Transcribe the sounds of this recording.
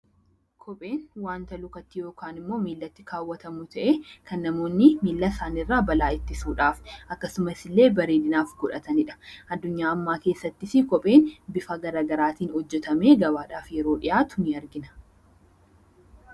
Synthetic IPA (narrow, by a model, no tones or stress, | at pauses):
kʰɔpʼe̞ːnwaːnt̪ɐlʊkɐt̪ːɪjo̞ːkaːnɪmːo̞ːmiːlːɐt̪ːɪkaːwːɐt̪ɐmʊt̪ʰɐʔeːkʰɐnːɐmo̞ːnːɪmiːlːɐsaːnɪrːaːbɐlaːɪt̪ːɪsuːᶑaːfʔɐkːɐsʊmɐsɪlːe̞ːbɐɾeːd̪ɪnaːfɡʊᶑɐt̪ɐnɪᶑɐ̥ɐd̪ːʊɲːaːɐmːaːkeːsːɐt̪ːɪsɪkɔpʼe̞ːnbɪfɐɡɐɾaːɡɐɾaːt̪iːnhɔd͡ʒːɛt̪ɐme̞ːɡɐbaːᶑaːfjɛɾo̞ːᶑɪjaːt̪ʊniɐɾɡɪnɐ̥